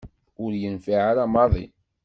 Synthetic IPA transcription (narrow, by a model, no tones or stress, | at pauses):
ʊɾjənfiʕaɾamɑðˤḭ